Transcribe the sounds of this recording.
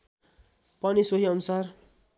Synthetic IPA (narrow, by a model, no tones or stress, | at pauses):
pʌnisoɦiʌnusʌr